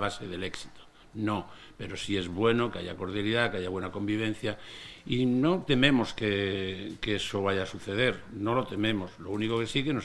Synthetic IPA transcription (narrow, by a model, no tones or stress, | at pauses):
βase̞ðe̞le̞ksi̥t̪o̥ | no̞ | pe̞ɾo̞sie̞zβwe̞no̞keaʝako̞ɾðjaliðakeaʝaβwe̞nako̞mbiβ̞ẽ̞n̟θjaino̞t̪e̞mẽ̞mo̞skekeesoβaʝasuθe̞ðe̞ɾno̞lo̞t̪e̞mẽ̞mo̞slo̞uniko̞ke̞sikeno